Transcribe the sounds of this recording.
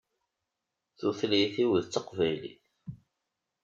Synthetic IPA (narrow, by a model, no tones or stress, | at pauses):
θuθlijθiwəðt͡sːəqvæjlḭθ